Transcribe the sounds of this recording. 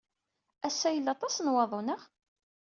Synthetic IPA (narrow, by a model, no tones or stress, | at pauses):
æsːæjəlːɑt̪ˤɑsnwɑðˤonəʁ